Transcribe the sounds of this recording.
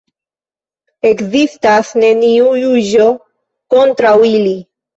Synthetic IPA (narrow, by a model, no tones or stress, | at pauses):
ekzist̪asneniuʎuʒo | kont̪ɾawili